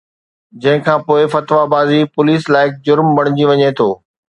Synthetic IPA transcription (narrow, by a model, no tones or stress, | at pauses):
d͡ʑɐ̃ɦɪ̃kʰãːpoːɪfɐt̪ʋabaːzipʊliːslaːɪk̚ʰd͡ʑʊɾmbɐɽ̃ɪd͡ʑiʋɐɲet̪ʰoː